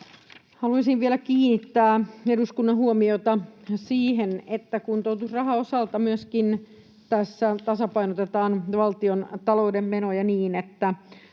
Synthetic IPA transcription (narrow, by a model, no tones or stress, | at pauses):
hɑluisiʋʋielækiːnːit̪ːæːeduskunːɑɦuomiot̪ɑsiːɦenet̪ːækunt̪out̪usrɑɦɑosɑlt̪ɑmyøskin | t̪æsːæt̪ɑsɑpɑinot̪et̪ɑːnʋɑlt̪iont̪ɑloudemːenojɑniːnet̪ːæ